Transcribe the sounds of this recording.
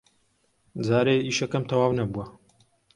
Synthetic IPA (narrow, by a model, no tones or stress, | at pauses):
d͡zaːɾeːiːʃɐkɐmt̪ʰɐwaːwnɐbuɐ